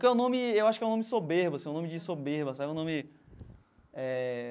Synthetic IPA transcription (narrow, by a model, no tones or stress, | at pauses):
kɛũnõmɪewaʃʊkɛũnõmɪd͡ʒɪsobeɾbʊɐsĩɛũõmɪd͡ʒɪsobeɾbɐsabɛũnõmɪ | ɛ